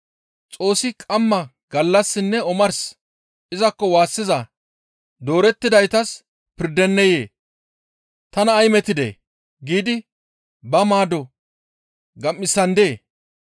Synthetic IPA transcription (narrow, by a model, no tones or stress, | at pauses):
t͡sʼo̞ːsːɪkʼɐmːɐ | ɡ̥ɐlːɐsːɪnːɛɔmɐɾs | ɪzɐkːɔwaːsːɪzɐ | d̪o̞ːɾɛt̪ːɪd̪ɐjt̪ɐs | pɪɾd̪ɛnːɛjeː | t̪ɐnɐːjmɛt̪ːɪd̪ḛː | ɡiːd̪ɪ | bɐmaːd̪ɔ | ɡɐmːɪsːɐnd̪eː